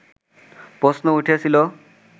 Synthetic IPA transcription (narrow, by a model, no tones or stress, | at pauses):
pɾosnouʈʰiesʰilo